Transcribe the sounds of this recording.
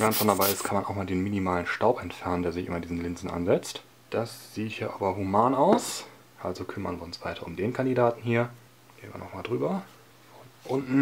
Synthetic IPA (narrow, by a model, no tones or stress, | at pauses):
vɛʁəntfɔndabaɪɪstkʰanmanʔaʊxmaːldeːnminimaːlənʃtaʊpɛntfɛɐnəndeːɐzɪçʔɪ̰mɐdiːzn̩lɪnzn̩ʔa̰nzɛt͡st | d̥asz̥iːthiːɐʔaːbɐɦumaːnaʊs | ʔalzokʰʏmɐnviːʊnsv̥a̰ɪtʰɐʊmdeːnkʰandidaːtn̩hiːɐ | ɡ̥eːn̩vḭɐnɔ̰χmaːldʁyːbɐ | fɔnʔʊntn̩